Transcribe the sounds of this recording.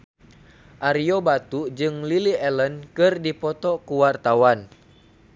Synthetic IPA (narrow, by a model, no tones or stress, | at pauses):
ʔaɾiobat̪ud͡ʒɨŋliliɛlənkɨrdipɔt̪ɔkuwart̪awan